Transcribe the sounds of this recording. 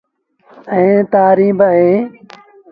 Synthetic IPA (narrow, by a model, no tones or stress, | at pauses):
ə̃ːt̪aːɾĩːbəɦẽː